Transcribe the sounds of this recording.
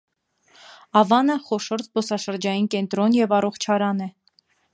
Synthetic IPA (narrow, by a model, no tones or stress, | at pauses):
ɑvɑnəχɔʃɔɾt̪ʰbɔsɑʃəɾd͡ʒɑjinkɛnt̪ɾɔnjɛvɑrɔχt͡ʃʰɑɾɑnɛ